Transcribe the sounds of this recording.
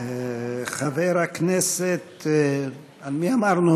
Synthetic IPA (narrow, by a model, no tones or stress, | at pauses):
χaveɾakneset̪ | almiamaʁnu